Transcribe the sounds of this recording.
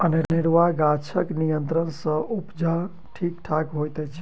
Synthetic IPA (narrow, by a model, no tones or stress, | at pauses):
əneɾniɾʋaɡat͡ʃʰəknijənt̪ɾənsə̃ʔupd͡ʒa | ʈʰikʈʰakɦojt̪ɛt͡ʃʰ